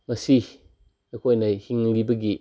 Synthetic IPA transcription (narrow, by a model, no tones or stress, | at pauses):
mɐsi | ekʰɔjnajhiŋlibɐɡi